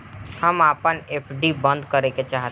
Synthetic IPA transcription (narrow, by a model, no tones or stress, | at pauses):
həmaːpəneːpʰɖibə̃nd̪kəɾeket͡ʃaːɦ